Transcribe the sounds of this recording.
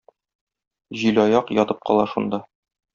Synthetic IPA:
ʑilɒjɑqjɒt̪ɤp̚qɒ̰lˠɑʃund̪ɑ

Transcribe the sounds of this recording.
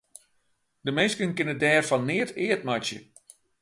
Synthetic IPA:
dəmɪnskənkɪnədɛːrfɔnːɪːətʰɪːət̚matjə̰

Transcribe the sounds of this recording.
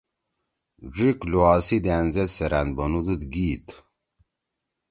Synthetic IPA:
ʐikluaːsid̪aːnzet̪seɾand̪bɐnud̪ud̪ɡiːt̪

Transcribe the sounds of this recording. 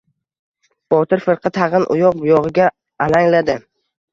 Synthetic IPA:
b̥ɒt̪ʰɪɾfɪɾqʰɨt̪ʰɑʁɨnʔʊ̰jɒq̚bʊjɒʁɪɡʲaː | laŋlad̪ɪ

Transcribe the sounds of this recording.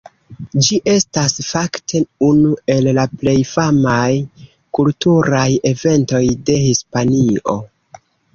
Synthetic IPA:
d͡ʒiʔe̞stasfaktʰeunue̞lːaple̞jfamaj | kultuɾaje̞ve̞nto̞jde̞hispanio̞̰

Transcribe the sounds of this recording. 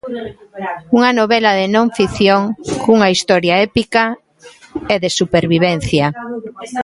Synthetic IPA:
uŋɐnoβɛlɐðenõɱfiθjoŋkuŋaist̪ɔɾjaɛpika | eðesupeɾβiβ̞ɛn̟θja

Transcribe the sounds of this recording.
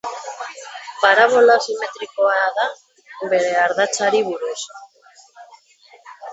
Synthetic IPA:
paɾaβ̞o̞lasime̞t̪ɾiko̞aða | βe̞ɾe̞aɾðat͡saɾiβuɾus

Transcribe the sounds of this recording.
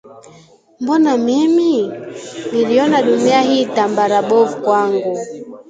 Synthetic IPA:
mbɔnamimi | niliɔnaɗumiahiːtambaɾaɓɔvukwaŋɡu

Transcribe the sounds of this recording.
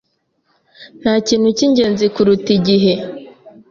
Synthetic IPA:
n̥haciːn̥huciɲɟeːnzikuɾutiɟiɦe

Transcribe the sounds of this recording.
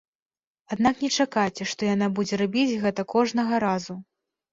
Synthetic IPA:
ad̪naknʲɛt͡ʂakat͡sʲɛʂt̪ɔjan̪abud͡zʲɛɾabʲit͡sʲɣɛt̪ɐkɔʐnɐɣɐɾazu

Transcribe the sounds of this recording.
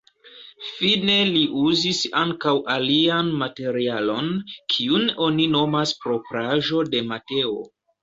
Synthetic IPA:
fine̞liʔuzisaŋkawʔalianmate̞ɾialo̞nkʰiuno̞nino̞maspɾo̞pɾaʒo̞de̞mate̞o̰

